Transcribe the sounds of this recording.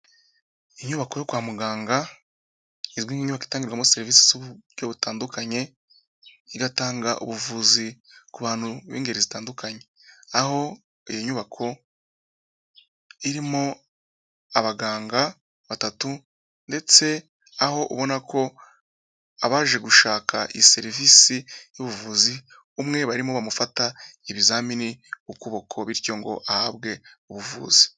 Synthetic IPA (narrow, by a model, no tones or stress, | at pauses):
iɲuβako̞jo̞kwaːmuɡaːŋɡa | izɡwiːɲiɲuβaki̥taːŋɟiɾɡwamose̞ɾviːsi̥zuβɾjo̞ːβutaːndukaɲe̞ | iɡataːŋɡaʔṵβuvuːzikuβaːn̥huβḭːŋɡe̞ɾizitaːndukʰaɲe̞ | aho̞ | ijoɲuβakʰo̞ | iɾimo | aβaɡaːŋɡa | βatatu | nde̞t͡se̞ | aho̞ʔuβo̞nakʰo̞ | aβaːʒe̞ɡuʃaːkʰa̰ʔise̞ɾivisijuβuvuːzi | umŋe̞βaɾimoβamufataiβizaːminiukoβo̞kʰo̞βiɾco̞ŋɡo̞̰ʔahaβɡe̞uβuvṵːz̥i̥